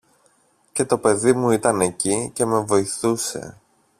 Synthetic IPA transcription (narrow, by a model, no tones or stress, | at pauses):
ce̞t̪o̞pe̞ðimuit̪ɐne̞cice̞me̞vo̞iθuse̞̰